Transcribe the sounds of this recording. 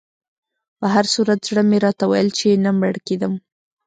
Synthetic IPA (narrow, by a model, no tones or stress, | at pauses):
pəɦaɾsuɾat̪zɽəmeɾɑt̪awa̰jəlt͡ʃenaməɽked̪əm